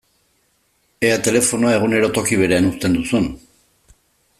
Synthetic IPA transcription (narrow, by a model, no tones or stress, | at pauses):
e̞at̪e̞le̞fo̞noae̞ɣ̞une̞ɾot̪o̞kiβ̞e̞ɾe̞anust̪e̞nd̪usun